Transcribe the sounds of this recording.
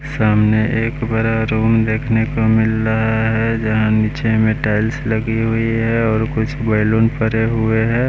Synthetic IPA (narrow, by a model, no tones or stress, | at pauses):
saːmneʔeːkbɐɾaɾuːmd̪eːkʰnekomɪlɾɐɦaaɦɛd͡ʒɐɦãniːt͡ʃemeʈaːɪlslɐɡiɦʊiɦɛɔːɾkʊt͡ʃʰbɐːluːnpəɾeɦʊeɦɛː